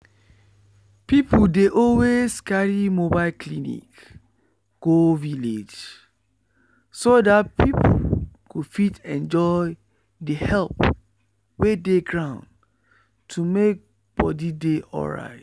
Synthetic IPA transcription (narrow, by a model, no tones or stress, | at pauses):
pipudeʔɔlwezkaɹimobaɪlklinḭk | ɡ̥oviled͡ʒ | sodatpʰipʰṵkud̥fitɛ̃nd͡ʒɔɪ | dəhɛlp | wedeɡɹãʊ̃nd | tʰumek̚ | b̥ɔdideʔɔ̰ɹa̰ɪt